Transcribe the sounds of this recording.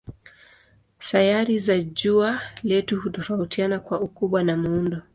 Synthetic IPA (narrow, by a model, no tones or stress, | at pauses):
sajaɾizaʄualɛtuhutɔfautianakwaukuɓwanamuundɔ